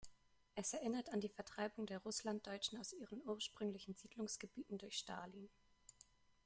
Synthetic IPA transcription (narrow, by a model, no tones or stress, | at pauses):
ʔɛsɛɐʔɪnɐtandiːfɛɐtʁ̥aɪbʊŋdeːɐʁʊslant̚d̥ɔʏt͡ʃn̩aʊsʔiːʁənʔuːɐʃpʁ̥ʏŋlɪçn̩ziːdlʊŋsɡ̥əbiːtn̩dʊɐçʃta̰ːlin